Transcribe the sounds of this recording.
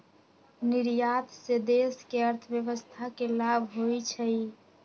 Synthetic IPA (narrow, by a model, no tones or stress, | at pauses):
niɾjat̪sed̪eskeəɾt̪ʰəbjəʋəst̪ʰakelabʱɦojt͡ʃʰəj